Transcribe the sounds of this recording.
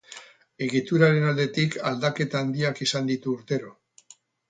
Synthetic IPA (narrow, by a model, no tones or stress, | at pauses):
e̞ɣit̪uɾaɾe̞nald̪e̞t̪ikald̪ake̞t̪aːnd̪iakisand̪it̪uːɾt̪e̞ɾo̞